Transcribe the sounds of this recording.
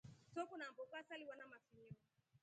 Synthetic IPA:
sɔkunambɔkasaliwanamafiɲɔ

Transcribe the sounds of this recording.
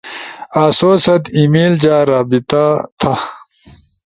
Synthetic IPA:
aːsoːsɐt̪imiːld͡ʑaːɾaːbit̪at̪ʰɐ

